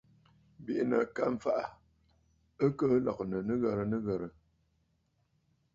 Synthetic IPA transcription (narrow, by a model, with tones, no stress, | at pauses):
bi˨ʔnə̰˨ka˦ɱ̩˨fa˦ʔa˨ | ə˦kə˦lɔ˨knə˨nə˦ɣə˨ɾə˨nə˦ɣə˨ɾə˨